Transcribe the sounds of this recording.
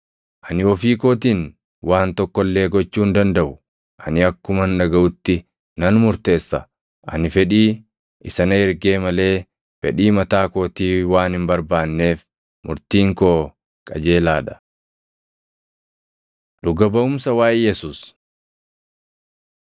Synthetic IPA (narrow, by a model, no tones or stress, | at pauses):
ʔɐnɪɔfiːkoːt̪̬iːn | wʔaːnt̪ɔkːɔlːe̞ːɡɔt͡ʃːuːnd̪ɐnd̪ɐʔʊ | ʔɐnɪɐkːʊmɐnːɐɡɐʔʊt̪ːɪ | nɐnmʊɾt̪e̞ːsːɐ | ʔɐ̰nɪfɛᶑiː | ɪsɐnɐɪɾɡe̞ːmɐle̞ː | fɛᶑiːmɐt̪aːko̞ːt̪iːwaːnɪmbɐɾbaːnːe̞ːf | mʊɾt̪iːŋkoː | kʼɐ̰d͡ʒe̞ːlaːᶑɐ̥ | ᶑʊɡɐbɐʊmsɐwaːʔjɛsuːs